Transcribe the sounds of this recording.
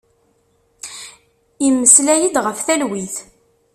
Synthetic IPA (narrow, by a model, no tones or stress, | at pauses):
imːəslæjid̪ʁəfθælwiθ